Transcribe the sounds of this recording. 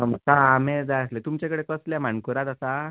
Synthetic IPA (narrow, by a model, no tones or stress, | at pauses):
məkãːmed͡zajəslet̪umt͡ɕakəɽekəsljam̤aɳkuɾat̪asa